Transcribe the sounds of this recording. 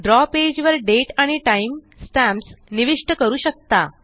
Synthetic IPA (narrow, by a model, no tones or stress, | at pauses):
ɖɾɔped͡ʑʋəɾɖeʈaɽ̃iʈaim | sʈæ̃msniʋiʂʈəkəɾuːɕək̚t̪a